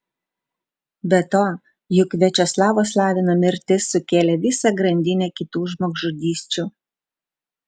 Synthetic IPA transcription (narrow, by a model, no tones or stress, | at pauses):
bʲɛt̪oː | jʊkʋʲɛt͡ʃʲoslˠɑːʋoːs̬lˠɑːʋʲɪnoːmʲɪɾʲt̪ʲɪsːʊkʲeːlʲɛːʋʲɪsɑɡɾɐnʲd̪ʲɪnʲɛːkʲɪt̪uːʒmoːɡʊd̪ʲiːsʲt͡ʃʲuː